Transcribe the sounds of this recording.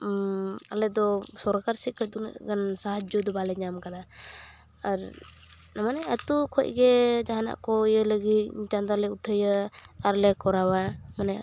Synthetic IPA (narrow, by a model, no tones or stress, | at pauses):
alɛd̪ɔsɔɾkaɾsit̚kʰɔc̚d̪unə̰ʔɡansaɦad͡ʒɔd̪ɔbalɛɲamkad̪a | aɾnamanɛat̪ukʰɔc̚ɡɛd͡ʒaɦana̰ʔkɔijələɡit̪̚ɲt͡ʃand̪alɛuʈʰəjəaɾlɛkɔɾawamanɛ